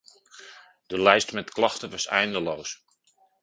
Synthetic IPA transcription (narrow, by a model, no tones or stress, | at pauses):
d̥əlɛjstmɛtklɑχtəʋɑsɛ̰jndəlows